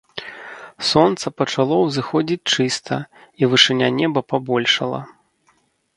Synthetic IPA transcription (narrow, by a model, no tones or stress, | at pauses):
sɔnt̪sɐpɐt͡ʂalˠɔwzɨxɔd͡zʲit͡sʲt͡ʂɨst̪ʰɐivɨʂɨnʲanʲɛbɐpabɔlʲʂɐlˠɐ̰